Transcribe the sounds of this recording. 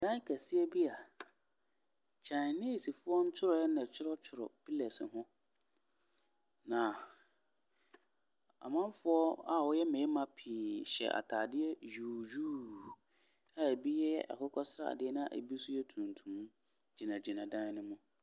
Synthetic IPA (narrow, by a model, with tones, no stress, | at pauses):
dã˦kʰæ˨sɪ˦ɛ˦bi˦a˨ | t͡ɕʰã˨n˨nĩ˦˨si˨fʊ˦ɔ˦n̩˦t͡ɕʰʊ˦ɾɔ˨jɛ˦nã˨t͡ɕʰʊ˦ɾɔ˦t͡ɕʰʊ˨ɾɔ̰˨pʰi˦lɛ˨sɪ˨ɦʊ̃˦ | nã˨ | a̰˨mã˦m˦fʊ˦ɔ˦a˦wɔ˦jɛ˦mɛ̃˨˦mã˨pʰĩː˨ɕɛ̰˨ʔa̰˨tʰaː˨dɪ˦ɛ˦juː˨d͡ʒuː˦ | a˦e˨bi˦jɛ˦jɛ̰˦ʔa̰˨kʰʊ˦kʰɔ˦sɾa̰˨dɪ˦ɛ˦nʊ̃˦a˦˨ʔḛ˨bi˦sʊ˦jɛ˦tʰũ˨n˨tʰũ˨m̃˦ | d͡ʑi˨nã˨d͡ʑi˨nã˨dã˦n˦nʊ̃˦mʊ̃˦